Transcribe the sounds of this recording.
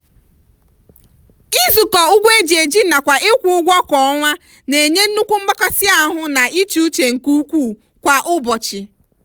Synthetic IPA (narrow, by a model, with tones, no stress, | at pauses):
i˦zʊ˨kɔ˨ʊ˦ɡʷe˦d͡ʒe˨d͡ʒi˦na˨kʷa˨ʔe˦kʷu˦ʊ˦ɡʷɔ˦kɔ˨ɔ˦ŋʷa˦ | ne˨ɲe˦n̩˦u˦kʷu˦m̩˦ba˦kɔ˦sɪ˦a˦ɦʊ˦na˨i˦t͡ʃi˨u˦t͡ʃe˨ŋ̩˨ku˦kʷu˦˨ | kʷa˨ʔʊ˦bɔ˨t͡ʃɪ˨